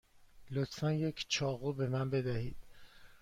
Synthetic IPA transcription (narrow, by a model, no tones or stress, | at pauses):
lot̪ʰfænjecʰt͡ʃʰɒːɣube̞mænbe̞d̪æhiːd̪̥